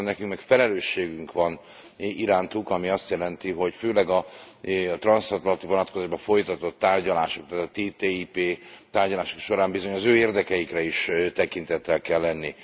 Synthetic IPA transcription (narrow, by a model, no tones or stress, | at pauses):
nːɛkyŋkmɛkfɛlɛløːʃːeːɡyŋkʋɒn | iɾaːnt̪ukɒmiɒst̪jɛlɛnt̪iɦo̞cføːlɛɡɒ | t̪rɒnsɒt̪lɒnt̪ivonɒt̪ko̞zaːʒbɒfo̞jt̪ɒt̪o̞t̪ːaːrɟɒlaːʃok̚t̪aːt̪ːt̪eːt̪eːiːpeːt̪aːrɟɒlaːʃo̥kʃo̞ɾaːmbizoɲɒzøːeːrd̪ɛkɛjikrɛiʃt̪ɛkint̪ɛt̪ːɛlkɛlːɛnːi